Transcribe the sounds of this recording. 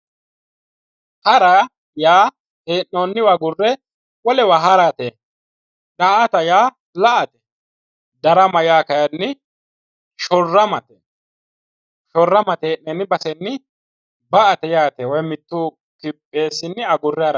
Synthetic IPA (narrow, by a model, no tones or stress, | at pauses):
hɐɾa | jaː | teːʔnːoːnːɪwɐɡʊrːɛ | wɔlɛwɐɦɐɾat̪e | d̪aʔɐt̪ɐjaː | lɐʔɐt̪ɛ̥ | d̪ɐɾɐmɐjaːkɐjɐnːɪ | ʃɔrːɐmɐt̪ɛ | ʃɔrːɐmɐt̪eːnnːɛnːɪbɐsɛnːɪ | bɐʔɐt̪ɛjaːt̪ɛwɔjmɪt̪ːuː | kɪpʼːeːsɪnːɪɐɡʊrːɛɐɾɐ